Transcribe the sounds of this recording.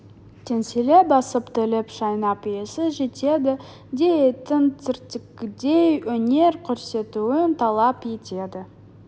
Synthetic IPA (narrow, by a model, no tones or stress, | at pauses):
t̪ʰe̞nse̞le̞bɑsəpt̪ʰʏlɪpʃɑjnɑpjesɪʒe̞t̪e̞d̪ɪ | d̪e̞t̪ʰɪnt̪ɪɾt̪ɪkːʲɪd̪e̞jwɵne̞ɾkʲʰɵɾse̞t̪uɪnt̪ʰɑlˠɑpje̞t̪e̞d̪ɪ